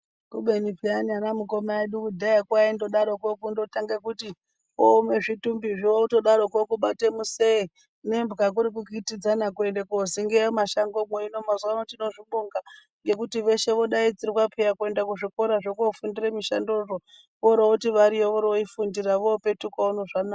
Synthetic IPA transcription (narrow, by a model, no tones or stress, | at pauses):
kuɓe̞ɲipiaɲanamuko̞maeɗukudʱaekwaendo̞ɗaɾokokundo̞taŋɡekuti | ome̞ʐitumbiʐiʋoutoɗaɾokokuɓate̞muse̞i | ne̞mbɡak̬uɾik̬ukitid͡zanakue̞ndekoziŋɡemaʃaŋɡomweino̞mazuwanotino̞ʐiɓoŋɡa | ŋɡe̞kutiʋe̞ʃe̞ʋo̞ɗaid͡zirikwapʰejakue̞ndak̬uʐiko̞ɾaʐokofundiremiʃa̰ndoro | ʋoɾoutiʋaɾijoʋoɾoifundiraʋope̞tukwaunoʐana